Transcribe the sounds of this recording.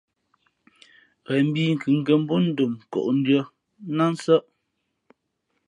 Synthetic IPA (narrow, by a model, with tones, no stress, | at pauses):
ɣɛ˨m̩˦bi˦ŋ̩˨kɯ˨˦ŋ̩˨ɡɛ˨m̩˦bo˦n̩˦do˨mkɔ̰˨ʔn̩˦dɰə˦ | na˦n̩˦sə˦ʔ